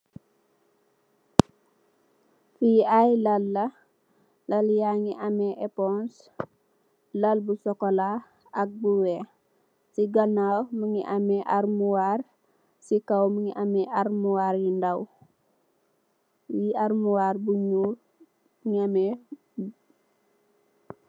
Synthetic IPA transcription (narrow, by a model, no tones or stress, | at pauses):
fiajlɐlːɐ | lɐljaŋiʔɐmɛʔɛpɔns | lɐlbusɔkɔla | ɐk̚buwɛ | siɡɐnawməŋiʔɐmɛʔarmuwar | sikɐwməŋiʔɐmɛʔarmuwaɾjindɐw | jiarmuwarbuɲu | mŋiɐmɛ